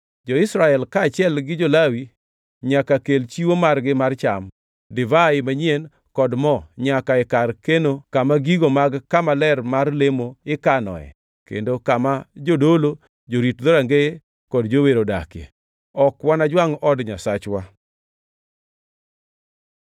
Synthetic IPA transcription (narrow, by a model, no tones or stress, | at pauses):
d͡ʒɔɪsɾaɛlkaːt͡ʃɪɛlɡɪd͡ʒolawi | ɲakakelt͡ʃiwomarɡɪmart͡ʃam | dɪvaɪmaɲien | kɔdmɔɲakaɛkarkenokamaɡiɡomaɡkamalɛrmarlemoɪkanɔ̰ɛ̰ | kḛndokamad͡ʒodolo | d͡ʒoɾitd̪oɾaŋɡee | kɔdd͡ʒoweɾoda̰kḛ | ɔkwanad͡ʒwaŋɔdɲasat͡ʃwa